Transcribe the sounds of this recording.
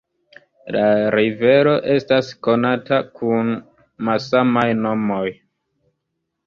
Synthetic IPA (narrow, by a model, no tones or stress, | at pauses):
laɾive̞ɾo̞ʔe̞stasko̞natakʰun | malsamajno̞mo̞j